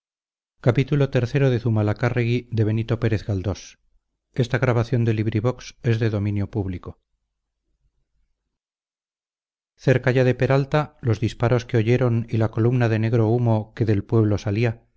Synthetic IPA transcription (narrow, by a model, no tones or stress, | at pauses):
kapit̪ulo̞t̪e̞ɾθe̞ɾo̞ð̞e̞θumalakareɣiðe̞β̞e̞nit̪o̞pe̞ɾe̞θɣald̪o̞s | e̞st̪aɣɾaβaθjo̞nd̪e̞liβɾiβo̞kse̞zðe̞ðo̞mĩnjo̞puβliko̞ | θe̞ɾkaʝaðe̞pe̞ɾalt̪alo̞zðispaɾo̞ske̞o̞ʝe̞ɾo̞nilako̞lumnaðe̞ne̞ɣɾo̞umo̞ke̞ðe̞lpwe̞β̞lo̞salia